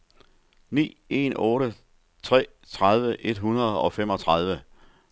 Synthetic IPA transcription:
nḭːe̝̰nɔ̽ːɾə | t͡sʰʁɛ̰ː | t͡sʰʁað̞ˠʋəʔe̝d̥ɦunɐð̩ˠɒ̽fem̰ɒ̽t͡sʰʁɑð̞ˠʋə

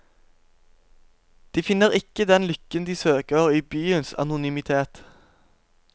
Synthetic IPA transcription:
d̪̥iːfɪnəʁɪkəd̪ɛnlʏkənd̪iːsøːkəʁiːbyːənsɑ̰nʊnymɪt̪ʰeːt̪

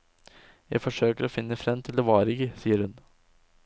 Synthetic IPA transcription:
jæɪfɔʂøːkəɾɔfɪnːəfɾɛmːt̪ʰɪld̪ɛʋɑːɾɪɡəsiːəɾhʉn

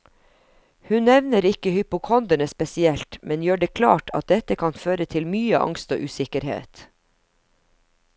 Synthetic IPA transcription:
hʉnnɛʋnəɾɪkəhʏpʊkʰɔnd̪ənəspɛsɪɛlt̪mɛnjøːɖeːkʰlɑ̰ːʈʰɑ̰t̪̚d̪ɛt̪əkʰɑnføːɾət̪ʰɪlmyːəʔɑ̰ŋst̪o̰ːʔʉːsɪkəɾhḛːt̪

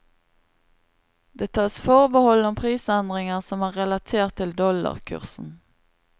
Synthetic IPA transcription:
d̪̥eːt̪ʰɑːsfɔːʁbəhɔləɔmpʰʁiːsɛnd̪ʁɪŋəʁsɔmæːʁʁɛlɑt̪ʰeːʁt̪ʰːɪld̪ɔlɑ̰ʁkʰʉ̰ʁsn̩

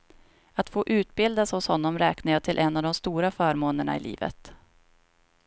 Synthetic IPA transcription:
at̪foːʔʉ̟ːt̪̚bɪld̪ashʊshɔnːɔmɾɛːknaɾjɑːt̪ʰɪlʔɛnːavd̪ɔmst̪uːɾafœːɾmoːnəɳa̰ɪ̰lʔḭːvə̰t̪

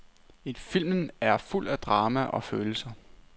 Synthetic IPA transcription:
efil̰mənæɐful̰æd̥ʁɑ̈ːmæʔɒ̽føːl̩sɐ

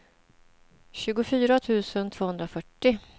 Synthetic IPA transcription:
ɕʉ̟ːɡʊfyːɾat̪ʰʉ̟ːsənt̪ʰv̥oːhɵnd̪ɾafœʈːɪ

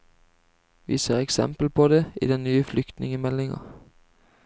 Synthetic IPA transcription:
ʋḭːseːʁɛksɛ̰mpəlpʰoːd̪eːʔḭːd̪ɛnnyːəflʏkt̪nɪŋəmɛlɪŋɑ̰

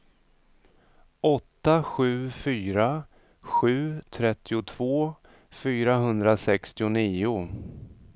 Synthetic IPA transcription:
ʔɔt̪ːaɧʉ̟ːfyːɾa | ɧʉ̟ːt̪ʰɾɛt̪ʰːɪʊt̪ʰv̥oː | fyːɾaɦɵnd̪ɾasɛkst̪ɪʊniːʊ

